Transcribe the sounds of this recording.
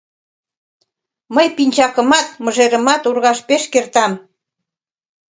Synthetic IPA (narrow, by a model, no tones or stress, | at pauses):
məjpinʲt͡ɕɑkəmɑt̪̚mə̆ʒeɾə̆mɑt̪urɣɑʃpeʃkert̪ɑm